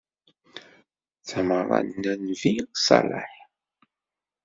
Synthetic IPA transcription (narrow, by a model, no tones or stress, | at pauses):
t͡sæməɾˤɑ̰nːænvisɑ̰la̰ħ